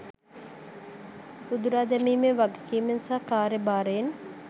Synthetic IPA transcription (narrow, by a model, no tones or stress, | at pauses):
sud̪uɾaːd̪ɛmiːmeʋaɡekiːmensaːkaːɾebaːɾeen